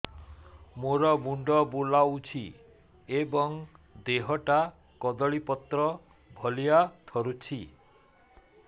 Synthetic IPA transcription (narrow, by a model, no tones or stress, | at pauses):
moɾɔmuɳɖɔbulaut͡ʃʰi | ebɔŋ | d̪eɦɔʈa | kɔd̪ɔɭipɔt̪ɾɔ | bʱɔlijat̪ʰɔɾut͡ʃʰi